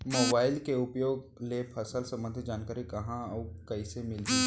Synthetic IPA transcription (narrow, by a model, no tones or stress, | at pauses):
moːbaːɪlkeʊpjoːɡ | lepʰɐsəlsɐ̃mə̃nd̪ʱd͡ʒaːnkaːɾikɐɦãəkɐisemɪli